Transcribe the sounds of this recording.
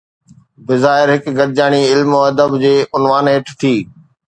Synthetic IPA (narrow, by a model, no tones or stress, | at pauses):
bɪzaːɪɾɦɪkɡɐɾɪd͡ʑaːɽ̃iɪlmoːɐd̪əbd͡ʑeːʔʊnʋaːneːʈʰt̪ʰiː